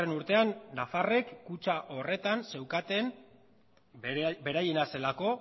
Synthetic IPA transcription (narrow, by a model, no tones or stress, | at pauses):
enuɾt̪e̞anːafare̞kːut͡ʃaʔo̞re̞t̪anse̞wkat̪e̞n | be̞ɾaje̞nase̞lako̞